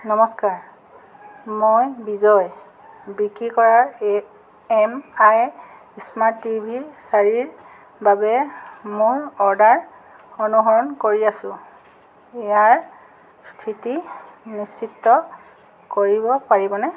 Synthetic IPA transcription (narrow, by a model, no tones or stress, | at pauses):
nɔmɔskaɹ | mojbizɔj | bɹikikɔɹaɹ | ɛmaj | ismatibʱiɹsaɹiɹ | babɛmojɹɔɹdaɹ | ɔnuɦɔɹɔnkoɹiasʊ̃ | ɛjaɹ | stʰitinisːitːɔ | koɹibɔpaɹibɔnɛ